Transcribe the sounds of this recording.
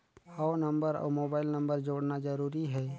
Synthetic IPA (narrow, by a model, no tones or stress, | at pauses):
ɔːnəmbəɾɔ̰ːmoːbaːɪlnəmbəɾd͡ʒoːɽnad͡ʒəɾuːɾiɦɛː